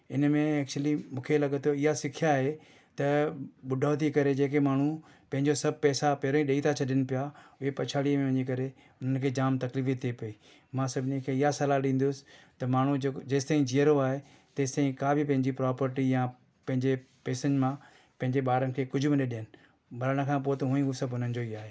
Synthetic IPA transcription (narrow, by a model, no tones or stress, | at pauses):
ɪnmẽɛːk̚t͡ɕʊlimũːkʰelɐɠət̪ʰoɪɦasɪkʰijaɦe | t̪ɐɓʊɖʱaːʊt̪̬ikɐɾed͡ʑeːk̬emaːɳ̤̃u | pɐ̃ɦɪ̃ɲd͡ʑosɐb̚ʱpɛːsapɛːɾõĩɗeit̪ʰat͡ɕʰɐɗənɪpɪjaʊɦepɐt͡ʃʰaːɽiəmẽʋɐ̃ɲikɐɾe | ʊn̤ənkʰeːd͡ʑaːmt̪ɐkliːfit̪ʰiepɐiː | mãːsɐbʱɪnikʰeːɪɦasɐlaɗĩːn̆d̪ʊsɪ̥t̪ɐmaːɳ̤ud͡ʑɐːst̪aːĩd͡ʑijəɾoaːɦe | t̪ɐːst̪aːɦĩkaːbɪpɐ̃ɦɪ̃ɲd͡ʑipɾɔːpəɾʈijã | pɐ̃ɦɪ̃ɲd͡ʑe | pɛːsənmã | pɐ̃ɦɪ̃ɲd͡ʑeɓaːɾənkʰeːkʊd͡ʑʱʊbɪɗeɗɪɦənɪ̆ | bʱɐɾəɽ̃ə̆kʰãːpoːt̪ɐɦũːĩɦusɐbɦʊn̤ənd͡ʑoiaːɦeː